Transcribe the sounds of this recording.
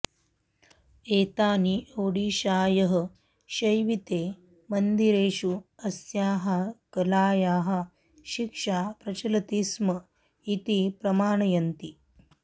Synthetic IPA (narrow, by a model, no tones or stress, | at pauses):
eːt̪aːniʔoːɽiːʃaːjɐɦɐ̆ | ʃɐjʋit̪eː | mɐnd̪iɾeːʃuɐsjaːɦɐkɐlaːjaːɦɐ̆ | ʃikʂaːpɾɐt͡ʃɐlɐt̪ismɐ | it̪ipɾɐmaːɳɐjɐnt̪i